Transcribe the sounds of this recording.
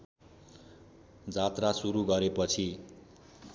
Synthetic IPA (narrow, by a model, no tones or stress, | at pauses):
d͡zat̪rasuɾuɡʌɾepʌt͡sʰi